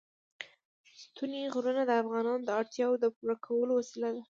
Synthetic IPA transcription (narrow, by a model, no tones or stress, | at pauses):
st̪uneɣɾunad̪əafɣɑnɑnod̪əɑɽt̪jɑwod̪əpuɾakʰawəlowasilad̪a